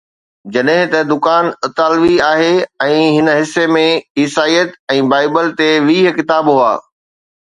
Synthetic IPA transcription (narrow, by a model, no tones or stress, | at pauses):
d͡ʑɐɗɦɪ̃t̪ɐd̪ʊkaːnɐt̪aːlʋiaːɦeːɛ̃ːɦɪnəɦɪsːemẽiːsaːijət̪ɛ̃ːbaːɪbəlt̪eʋiːɦkɪt̪aːbɦua̰ː